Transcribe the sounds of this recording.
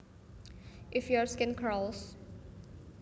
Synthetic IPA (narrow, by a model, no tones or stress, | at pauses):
ʔɪfjɔɹskɪ̃nkʰɹɔls